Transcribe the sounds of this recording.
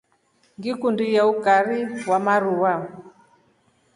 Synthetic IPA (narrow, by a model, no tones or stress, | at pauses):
ŋɡikundijaukaɾiwamaɾuwa